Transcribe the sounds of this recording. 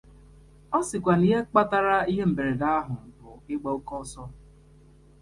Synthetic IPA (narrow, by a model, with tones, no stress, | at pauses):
ɔ˦sɪ˨kʷa˨ni˨ɦe˦k͡pa˦ta˦ɾa˦i˦ɦe˦m̩˨be˨ɾe˨da˦a˦ɦʊ˨bʊ˨ɪ˦ɡ͡bɔ˦o˦kɔ˦sɔ˦